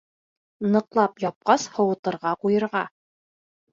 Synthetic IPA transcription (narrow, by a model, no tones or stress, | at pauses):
nɤ̆qlˠɑpjɑp̚qɑshɤ̆wɤ̆t̪ɤ̆ɾʁɑqujɤ̆ɾʁɑ